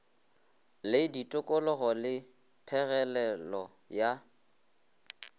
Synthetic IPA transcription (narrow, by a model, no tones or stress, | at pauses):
lɪditʼʊkʼɔlɔɣɔlɪ | pʰɛɣɛlɛlɔ | ja